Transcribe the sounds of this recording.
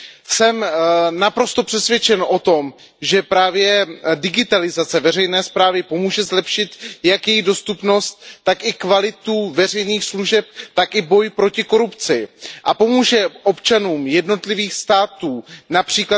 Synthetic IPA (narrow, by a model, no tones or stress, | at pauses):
sɛmnapɾo̞st̪opr̥ɛsvjɛt͡ʃɛnʔo̞t̪o̞m | ʒɛpɾaːvjɛdɪɡɪt̪alɪzat͡sɛvɛr̝ɛjnɛːspɾaːvɪpo̞muːʒɛzlɛpʃɪt̪jakjɛjido̞st̪upno̞st̪̚ːakʔɪkvalɪt̪uvɛr̝ɛjniːxsluʒɛp̚t̪akʔɪbo̞jpɾo̞cɪko̞ɾupt͡sɪʔapo̞muːʒɛʔo̞pt͡ʃanuːmjɛdno̞t̪lɪviːxst̪aːt̪uːnapr̝̥iːkla